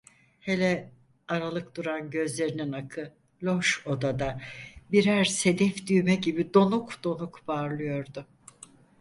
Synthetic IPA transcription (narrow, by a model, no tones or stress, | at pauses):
he̞lʲɛ | aɾalˠɯk̚d̪̥uɾanɟø̞zlʲe̞ɾininakʰɯ | lʲoʃo̞d̪ad̪abiɾæɾse̞d̪ɛfd̪yjmɛɟibid̪o̞nukd̪̥o̞nukbaɾlˠɯjo̞ɾd̪ʊ